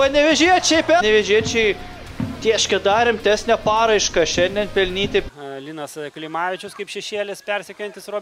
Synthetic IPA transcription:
ɐnʲɛʋʲɛʒʲiɛt͡ʃʲɛɪpʲɛnʲɛʋʲɛʒʲiɛt͡ʃʲɛɪ | t̪ʲiɛʃkʲɐt̪̚d̪ɑːɾʲɪmʲt̪ʲæːsʲnʲɛpɑːɾɐɪʃkɐʃʲɛnʲd̪ʲɛnpʲɛlʲnʲiːt̪ʲɪlʲiːnɐsklʲimɑːʋʲɪt͡ʃʲʊskɐɪpʃʲɛʃʲeːlʲɪspʲɛrʲsʲɛkʲojnt̪ʲɪsroːbʲ

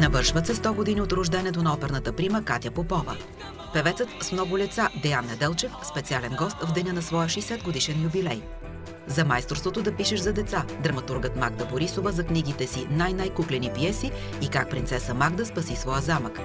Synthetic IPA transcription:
nɐvɤɾʃvət̪sɛst̪ɔɡod̪iniot̪ɾʊʒd̪ɛnɛt̪onɐɔpɛɾnət̪əpɾiməkat̪ʲəpopɔvə̰ | pɛvɛt̪sət̪smnɔɡʊlʲɛt̪sad̪ɛjanɐd̪ɛlˠt͡ʃɛfspɛt̪sialɛnɡɔst̪vd̪ɛnʲənɐsvɔjəʃɛjsʲɛd̪̚ɡod̪iʃɛnjubilɛj | zɐmajst̪ɾofst̪vot̪od̪ɐpiʃɛʃzɐd̪ɛt̪sad̪ɾɐmɐt̪uɾɡət̪maɡ̚d̪ɐboɾisovəzɐkniɡʲit̪ɛsinajnajkuklɛnipiɛsiː | kak̚pɾint̪sɛsəmaɡd̪ɐspɐsisvɔjəzamək

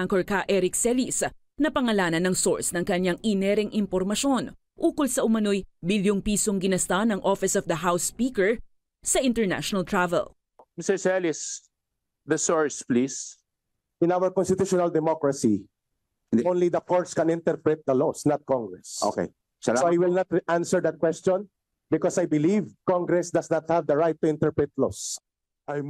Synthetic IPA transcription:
aŋkoɹkaʔɛɾɪksɛlis | nɐpɐŋɐlaːnɐnɐŋsoɹsnɐŋkɐɲaŋinɛɾɪŋʔɪmpoɾmɐʃo̞n | ʔuːkʊlsɐʔʊmɐno̞jbɪljoŋpiːsoŋɡɪnɐst̪anɐŋʔofɪsɔfd̪ɐɦawspiːkɛɹ | sɐʔɪ̃nt̪ɛɹna̰ʃɔnɐlt̪ɹavɛ̰l | mɪst̪ɛɹsɛlis | d̪ɐsɔɹsplis | ʔɪnawəɹkɔ̃nst̪ɪt̪uʃɔnald̪ɛmokɹɐsi | õnlid̪ɐfɔɹt̪skɐ̃nɪ̃nt̪ɛɹpɹɛt̪̚d̪ɐlosnat̪̚kɔ̃ŋɡɹɛsʔo̰kḛj | soajwɪlnat̪̚ʔansɛɹd̪ɐt̪̚kwɛst͡ʃɔ̃n | bɪkɔsajbɪlivkɔ̃ŋɡɹɛsd̪ɐsnat̪̚havd̪ɐɹajt̪̚ːʊɪ̃nt̪ɛɹpɹɛt̪̚lo̰s | ʔaj

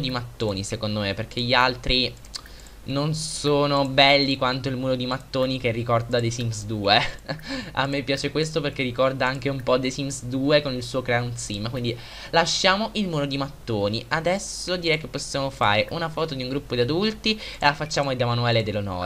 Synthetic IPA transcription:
d̪imat̪ːoːnisekond̪omeperk̟ʰeʎːialt̪ɾi | nonsoːnobɛlːikwant̪oilmuːɾod̪imat̪ːoːnik̟erːikɔrd̪d̪ad̪esimsd̪uːe | a̰mːepːjaːt͡ʃekwes̬t̪operk̟erːikɔrd̪aaŋk̟eumpɔd̪esimsd̪uːekonilsuːokɾaunt̪simːkwind̪i | laʃːaːmoʔilmuːɾod̪imat̪ːoːniʔad̪ɛsːod̪iɾɛjk̟epːosːjaːmofa̰ːɾeʔunafɔːt̪od̪iuŋɡɾupːod̪iad̪ult̪ielafat͡ʃːaːmoad̪amanuɛːled̪elono̰ːɾ

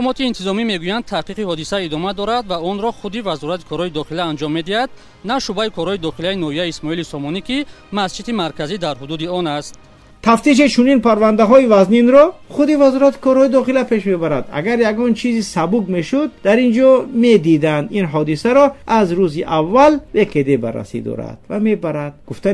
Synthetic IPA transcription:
aɔmɔt̪ʰiːnt̪ʰizɔmimeɡujand̪̚t̪ʰaqiqihɔd̪isaid̪ɔmad̪ɔɾad̪vaɔnɾɔχud̪ivazɔɾat̪i̥kʰɔɾhɔid̪ɔχilaːnd͡ʒɔmːe̞d̪ihad̪̚ | naʃubaikʰɔɾhɔid̪ɔχilainɔhijaiːsmɔilisɔmɔnikimasd͡ʒit̪imaɾkʰazid̪aɾhud̪ud̪iɔnast̪̚ | t̪ʰaft̪ʰiʃ̬it͡ʃʰuninpʰaɾvand̪aɦɔivazninɾɔχud̪ivazɔɾat̪i̥kʰɔɾhɔid̪ɔχilapʰe̞ʃme̞baɾad̪a̰ɡaɾjaɡɔnt͡ʃʰizisabukme̞ʃud̪̚ːaɾind͡ʒɔme̞d̪id̪and̪inɦɔd̪isaɾɔʔazɾuziʔavːalbe̞qʰed̪eba̰rːa̰sḭd̪ɔ̰ɾa̰d̪̥va̰me̞baɾad̪̥̚ɡ̥uft̪a

